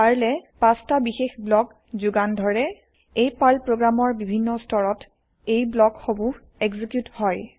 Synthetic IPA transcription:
aɹlɛpastabixexblɔk | zuɡandʱɔɹɛ | ejpalpɹoɡɹamɔɹbibʱinːɔstʰɔɹɔt | ejblɔkxobu | ɛɡzikjuthɔj

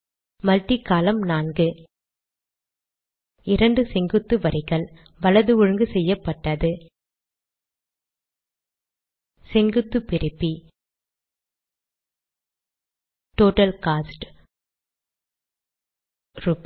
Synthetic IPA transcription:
mɐlʈːikːaːlɐmnaːnɡɯ | ɪɾɐɳɖɯsɛŋɡɯt̪ːɯʋɐɾɪɣɐɭ | ʋɐɭɐðɯɔɻɯŋɡɯsɛjːɐpːɐʈːɐðɯ | sɛŋɡɯt̪ːɯpɪɾɯpːi | ʈoːʈɐlkaːsʈ | ɾup

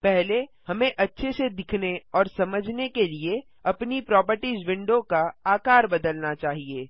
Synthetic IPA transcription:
pɛɦle | hɐmẽʔɐtːʃʰesed̪ɪkʰneɔːɾsɐməd͡ʒʱnekelie | ɐpnipɾɔːpəɾʈizʋɪ̃ɳɖõkaaːkaːɾbɐd̪əlnat͡ʃaːɦieː

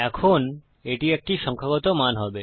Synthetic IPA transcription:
ɛkʰon | eʈiek̚ʈiʃɔŋkʰaɣɔt̪omanɦɔbe

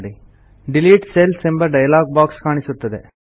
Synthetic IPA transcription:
ɽi | ɖiliːʈselsembɐɖɐjɐlaːɡ̚baːkskaːɳisut̪ːɐd̪e

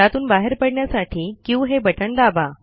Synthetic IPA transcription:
at̪uːnbaɦeəɾpəɽɳjasaʈʰiːkĩw̃ɦebəʈəɳd̪aba

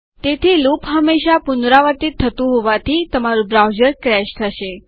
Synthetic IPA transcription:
t̪et̪ʰilupɦəmːeʃapunɾaʋəɾt̪it̪ʰːət̪ũɦoʋat̪ʰit̪əmaɾũbɾawd͡ʒəɾkɾɛʃt̪ʰəʃe

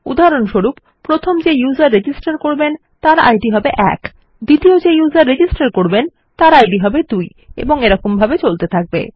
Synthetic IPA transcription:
ṵd̪aɦaɾonʃoɾup | pːɾot̪ʰomd͡ʑejuzaɾːed͡ʑisʈaɾkoɾben | t̪aɾa̰jɖiɦɔbeʔɛ̰k | d̪it̪iod͡ʑejuzaɾːed͡ʑisʈaɾkoɾben | t̪aɾajɖiɦɔbed̪uj | ḛboŋeɾɔkombʱabet͡ɕolt̪et̪ʰak̚bḛ

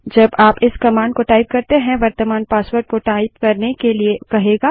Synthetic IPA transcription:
d͡ʒɐbaːpɪskɐmaːɳɖkoʈaːɪp̚kɐɾt̪eɦɛ̃ʋɐɾt̪əmaːnpaːsʋəɾʈ̚koʈaːɪp̚kɐɾnekeliekɐɦeːɡaː

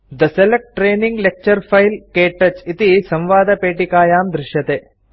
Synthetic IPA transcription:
d̪ɐselek̚ʈʈːɾeːniŋɡlek̚t͡ʃɐɾfɐjlkeːʈːɐt͡ʃit̪isɐ̃mʋaːd̪ɐpeːʈikaːjaːmd̪ɾɪʃjɐt̪eː

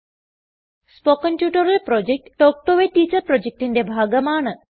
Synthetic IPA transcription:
spokɐnʈjuːʈɐɾɐlpɾod͡ʒek̚ʈʈoːk̚ʈoʋeʈiːt͡ʃɐɾpɾod͡ʒek̚ʈind̪ebʱaːɡɐmaːɳɐ

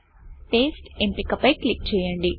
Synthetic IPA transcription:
ʈeːsʈimpikɐpːɐjklik̚t͡ʃɛːjɐɳɖi

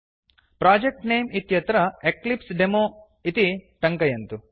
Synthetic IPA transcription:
pɾaːd͡ʒek̚ʈneːmit̪jɐt̪ɾɐeklipsɖemoː | it̪iʈɐŋkɐjɐnt̪u

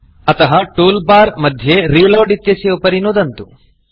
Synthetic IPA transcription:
ɐt̪ɐɦɐʈuːlbaːɾmɐd̪ʱjeɾiːloːɖit̪jɐsiupɐɾinuːd̪ɐnt̪u

